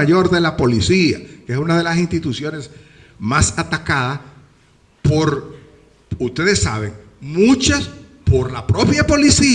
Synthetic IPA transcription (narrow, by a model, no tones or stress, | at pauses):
aʝo̞ɾðe̞lapo̞lisiakeesunað̞e̞las̬inst̪it̪usjo̞ne̞s | masat̪akaða | po̞ɾ | ust̪e̞ðe̞sːaβ̞e̞ŋ | mut͡ʃaspo̞ɾlapɾo̞pjapo̞lisi